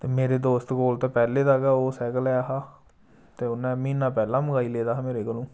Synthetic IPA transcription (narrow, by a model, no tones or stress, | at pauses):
t̪eːmeːɾeːd̪oːst̪koːlt̪aːpɛːleːd̪aːɡaːoːsɛːkəlɛːaɦaː | t̪eːʊnɛ̃ːmĩːnãːpɛːlãːməɡaːiːleːd̪aːmeːɾeːkəlõː